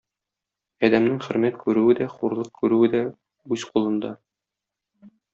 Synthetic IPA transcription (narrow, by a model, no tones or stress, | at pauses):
ɒd̪æmnɘŋχɵ̆ɾmæt̪kʉɾʉwɘd̪æχuɾlˠɤq̚kʰʉɾʉwɘd̪æ | ʉz̥qulˠɤ̆nd̪ɑ